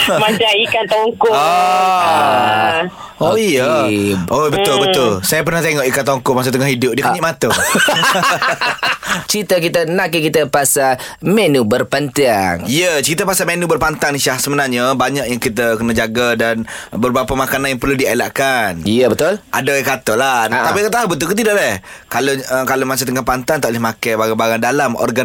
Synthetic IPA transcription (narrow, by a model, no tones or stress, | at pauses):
mat͡ʃaikant̪auŋkʊo | oijəobət̪ʊlbət̪ʊlsajapərnaht̪eŋɔʔikant̪auŋkʊʔmas̬ut̪əŋahidʊp̚diəkkɲiʔmat̪ə | t͡ʃit̪əkit̪ənãʔkəkit̪əpasa | menubərpant̪iaŋijət͡ʃit̪əpasamenubərpant̪aŋiʃahsəmənarɲəbaɲaʔ̚jaŋkit̪̬əkənəd͡ʒaɡadan | bərbɾapamakananjaŋpərludialaʔkanijəbət̪ʊlʔa̰daikat̪ɔlaapikat̪aɦabət̪̬ʊlkut̪idaʔlɛhkalokalomas̬ut̪əŋahpant̪ant̪aʔlɪhmakabaɡabaɡandalamɔ̰rɡan